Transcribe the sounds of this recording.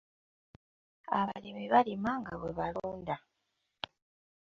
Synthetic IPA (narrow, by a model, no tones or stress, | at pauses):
a̰βalimiβalimaŋɡaβweβaluuːnda